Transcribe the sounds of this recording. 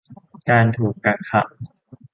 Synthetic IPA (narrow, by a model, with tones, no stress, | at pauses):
kaː˧nt̪ʰuː˨˩kːa˧˩ŋkʰa˦˥ʔ̚